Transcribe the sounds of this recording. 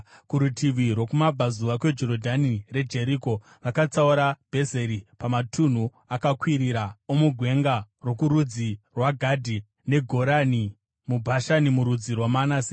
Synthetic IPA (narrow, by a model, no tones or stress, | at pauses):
kuɾutʰiʋirwo̞kumabʱazuʋakwe̞d͡ʒo̞ɾodʱanire̞d͡ʒe̞ɾiko̞ | ʋakat͡sauɾab̥ʱe̞ze̞ɾipamatʰun̤u | akakwiɾiɾaomuɡʱwe̞ŋɡaro̞kuɾud͡zirwaɡʱadʱi | ne̞ɡʱo̞ɾani | mubʱaʃanimuɾud͡zirwamanase